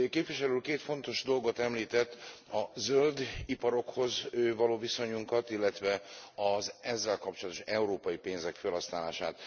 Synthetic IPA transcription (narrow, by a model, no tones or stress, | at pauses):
keːpʋiʃɛlylkeːt̪fo̞nt̪o̞ʒd̪o̞lɡo̞t̪ɛmliːt̪ɛt̪ːɒzøld̪ipɒɾo̞kho̞zøːvɒloːviso̞ɲuŋkɒt̪ilːɛt̪ʋɛɒzɛzːɛlkɒp̚t͡ʃolɒt̪o̞ʃɛuɾoːpɒjipeːnzɛkfølhɒsnaːla̰ːʃa̰ːt̪